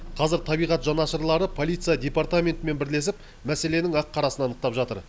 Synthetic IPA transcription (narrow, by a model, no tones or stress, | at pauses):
qʰɑzəɾt̪ʰɑbijʁɑt̪ʒɑnɑʃəɾlˠɑɾəpʰo̞lʲˠijt̪sɨjad̪ʲe̞part̪amʲe̞nt̪ɪme̞nbɪɾle̞s̬ɪp | mæse̞le̞nɪŋɑqʰːɑɾɑsənɑnəq̚t̪ɑpʒɑt̪ə̰ɾ